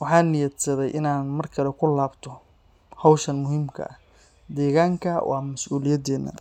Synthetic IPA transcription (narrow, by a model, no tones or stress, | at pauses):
wɑħɑːnɪjɐd̪sɐðɛjʔɪnaːnmɐrkʰɐlɛkʰʊlaːbt̪ʰɔ | hɐwʃɐnmʊhiːmkʰɐ̰ʔɐ | d̪ɛːɣaːŋkʰɐwʔɑ̰ːmɐsʔuːlɪjɐd̪ɛːnːɐ̰